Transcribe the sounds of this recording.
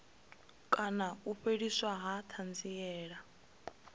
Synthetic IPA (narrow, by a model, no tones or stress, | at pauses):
kʼanauɸeɺiswaɦatʰand͡zijɛːɺa